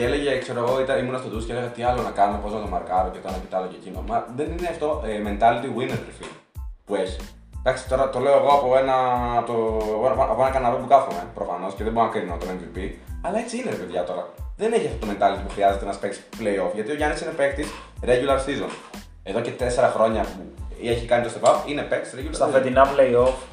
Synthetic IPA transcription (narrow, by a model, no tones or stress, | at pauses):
cele̞ʝekseɾoeɣo̞it̪ɐimunɐst̪ot̪usceleɣɐt̪iɐlonɐkɐnopo̞znɐt̪omɐɾkɐɾocet̪ɐnoct̪ɐlocecinomɐðe̞nineɐft̪o̞me̞nt̪ɐlit̪iɣuinet̪ɾfil | pueçi̥ | d̪ɐksi̥t̪o̞ɾɐt̪o̞le̞oeɣo̞ɐpo̞enɐt̪opoʔɐponɐkɐnɐɾopukɐfomepɾo̞fɐno̞sceðeboɾonɐkɾinonnɐt̪omemvipiɐlɐet͡siineɾepeðʝɐt̪o̞ɾɐðe̞ne̞çiɐft̪ot̪ome̞nt̪ɐlit̪ipuxɾiɐzet̪enɐspektsi̥ple̞io̞fʝɐt̪io̞ʝɐnisine̞pek̚t̪isɾeʝulɐɾsizo̰n | eðo̞ce̞t̪e̞se̞ɾɐxɾo̞ɲɐpueçikɐnit̪ost̪evɐpine̞pek̚t̪i̥sɾeʝulɐsɐfend̪inɐpleio̞f